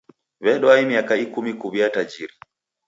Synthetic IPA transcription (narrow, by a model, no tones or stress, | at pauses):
βɛɗɔaimiakaikumikuβiatad͡ʒiɾi